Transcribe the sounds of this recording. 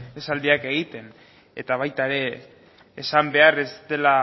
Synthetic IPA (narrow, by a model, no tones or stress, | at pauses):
esald̪iake̞ɣ̞it̪e̞n | et̪aβajt̪aeɾe̞ː | sambe̞are̞st̪e̞la